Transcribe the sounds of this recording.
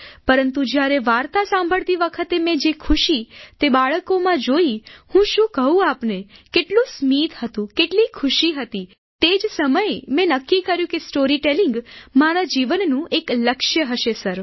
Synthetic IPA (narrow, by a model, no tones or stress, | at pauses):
pəɾənt̪ud͡ʒjaɾeʋaɾt̪asãmbʱəɭt̪iʋəkʰət̪emɛ̃d͡ʒekʰuʃit̪ebaɭəkomãd͡ʒoihũʃũkəɦũapnekeʈlũsmid̪ʱhət̪ũkeʈlikʰʊʃiɦət̪i | t̪ed͡ʒsəməjmɛ̃nəkːikəɾjũkesʈoɾiʈeliŋɡmaɾad͡ʒiʋənːũʔekləkʃjəɦəʃesəɾ